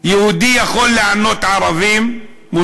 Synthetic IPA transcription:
jehud̪ijaχo̞lːeʕano̞t̪ʕaɾavimː | u

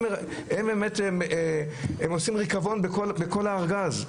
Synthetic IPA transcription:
e | hembemetem | emosimʁikavo̞nbekolbeko̞laːʁɡaz

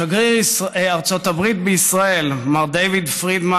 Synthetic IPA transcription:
aɡʁiaʁt͡so̞tabʁit̪beisʁaelmaʁd̪ejvid̪fʁid̪ma

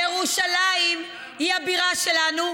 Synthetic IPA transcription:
eʁuʃalaim | hiabiʁaʃelanu

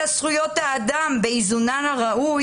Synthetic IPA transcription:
asχujo̞t̪haːd̪ambeizunanaʁaʔu

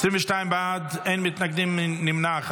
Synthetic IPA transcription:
sɪmɪʃtaɪnbaːdeɪnmɪtnaɡdɪmɪnɪmnaχ

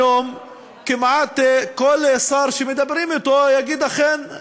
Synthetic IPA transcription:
om | kimʕat̪kolesaɾʃemed̪abɾimit̪ojaɡid̪aχen

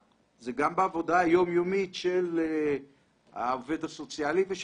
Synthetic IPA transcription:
zeɡambeavo̞d̪aːjo̞mjomitʃele | ha̰ːved̪aso̞t͡sjaliveʃ

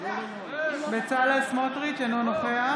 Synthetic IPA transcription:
bet͡salesmotʁit͡ʃenonoχea

